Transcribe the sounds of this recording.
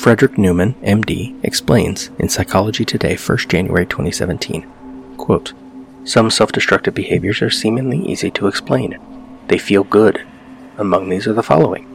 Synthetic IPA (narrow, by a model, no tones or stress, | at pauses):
fɹɛdɹɨk̚nʉmɨ̃nɛ̃mdḭʔɨ̰ksplẽɪ̃nz̥ʔɨ̰̃nsaɪkʰɑlˠəd͡ʒitʰɨdeɪfɜ̰˞std̥ʒ̥æ̃njʉ̰ʔɛ̰ɹitʰw̥ɛ̃isɛ̰vɨ̃ntʰḭ̃n | kʰw̥oʊt | sʌ̃msɛlˠfd̥ɨstɹ̥ʌk̚tɨvbɨheɪvjə˞zə˞sĩmɪ̃ŋliʔḭziɾəːksplḛ̃ɪ̃n | ðeɪfilˠɡʊɾ | əmʌ̃ŋðizə˞ðəfɑ̰lˠoʊɪ̰̃ŋ